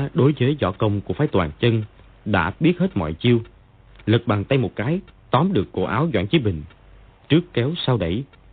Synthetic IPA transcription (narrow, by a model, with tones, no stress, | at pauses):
ɗo˨˦jzəː˨˦jzɔ̰˧˩kə˧wŋ͡mku˧˩əfaː˨˦jt̪waː˨˩ŋt͡ɕə˧n | ɗa̰ː˧˥ɓi˦˥ət̚heː˦˥t̚mɔ̰˧˨jt͡ɕi˧əw | lɨ˨˩k̚ɓaː˨˩ŋt̪ə˧jmo˨˩t̚kaː˨˦jt̪ɔ˨˦mɗɨ˨˩əkːo̰˧˩ʔaː˨˦wzwa̰ː˧˨nt͡ɕi˨˦ɓï˨˩ŋ̟ | t͡ɕɨ˦˥əkːɛ˨˦wsaː˧wɗə˧˩j